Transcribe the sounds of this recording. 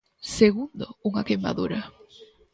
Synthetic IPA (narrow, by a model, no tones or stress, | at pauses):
seɣund̪o̰uŋakema̰ðuɾɐ